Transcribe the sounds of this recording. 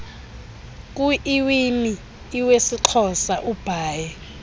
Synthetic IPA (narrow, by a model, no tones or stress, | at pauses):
k̬ʼuʔiwiniː | wesiǃʰɔsaʔub̥ʱaːjɛ